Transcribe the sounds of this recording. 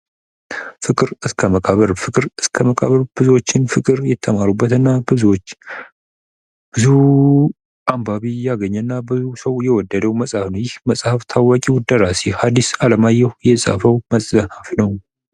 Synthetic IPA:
fɨkʼɨɾɨskʰəməkʼaβəɾfɨkʼɨɾɨskʰəməkʼa̰βəɾb̥ɨzuot͡ʃːɪnfɨkʼɨɾjɛt̪ʰːəmaɾubːət̪ɨnːabɨzuwot͡ʃː | b̥ɨzu | ʔambaβijaɡəɲːɛnːabɨzusəwjɛwɔd̪ːəd̪əwməsʼhafnəwjɪhməsʼhaft̪ʰawakʼiwʊd̪əɾasihad̪isaləmajːɛhjɛsʼa̰fəwməsʼəhafnəw

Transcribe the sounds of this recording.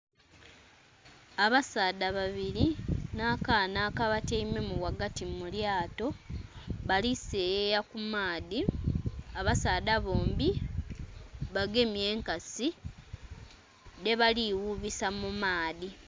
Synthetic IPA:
aβasaːdaβaβiɾinaːkaːnaːkaβateime̞muwaɡatimuljaːto̞ | βalisejejakumaːði | aβasaːdaβoːmbi | βaɡe̞mje̞ːŋkasi | ne̞βaliwuβisamumaːði

